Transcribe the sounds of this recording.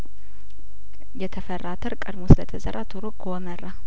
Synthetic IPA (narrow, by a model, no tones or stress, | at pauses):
jɛt̪ʰəfərːat̪ʰəɾkʼəd̪mosɨlət̪ʰəzəɾʔat̪ʰɨɾoɡwɔmərːa